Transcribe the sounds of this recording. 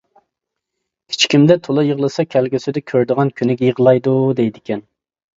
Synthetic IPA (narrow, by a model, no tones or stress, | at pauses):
kʲʰi̥t͡ʃʰkʲimd̪ɛt̪ʰolˠɨjəʁlˠɨsɑkʲʰɛlɡʲysɪd̪ɛkʲʰøɾd̪ɨʁɑnkʲʰynɪɡʲɛjəʁlˠɑjd̪ud̪ɛjd̪ɪkʲɛn